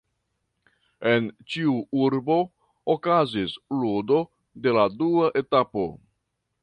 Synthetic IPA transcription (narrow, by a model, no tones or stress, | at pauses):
e̞nt͡ʃiuuɾbo̞ | okazisludo̞ | de̞laduaʔe̞tapo̞̰